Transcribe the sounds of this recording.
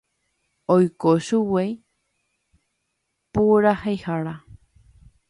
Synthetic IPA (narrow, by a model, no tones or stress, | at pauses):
ojkoʃuwej | puɾahejhaɾa